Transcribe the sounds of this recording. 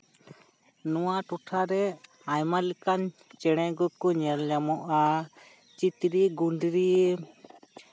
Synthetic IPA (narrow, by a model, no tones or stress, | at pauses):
nuwaʈuʈʰaɾɛ | ajmalɛkant͡ʃɛɽ̃ɛɡɔkɔɲɛɾlamɔʔa | t͡ʃit̪ɾiɡuɳɖɾie